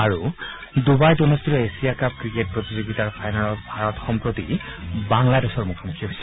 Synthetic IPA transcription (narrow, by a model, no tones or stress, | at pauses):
aɹu | dubajtɔnɔstiɾɔesijakap̚kɹiket̚pɹotizoɡitaɹpʰajnalɔbʱaɹɔtxɔmpɹotḭbaŋladesɔɹmukʰamukʰiɦojsɛ